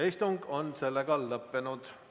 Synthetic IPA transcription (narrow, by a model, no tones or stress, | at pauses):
ist̪uŋɡo̞nse̞lːeɡ̥ɑlːɤpːe̞nud̪̥